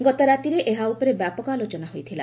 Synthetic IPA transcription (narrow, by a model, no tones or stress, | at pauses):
ɡɔt̪ɔɾat̪iɾeʔeɦaupɔɾebjapɔkalot͡ʃɔnaɦojt̪ʰila̰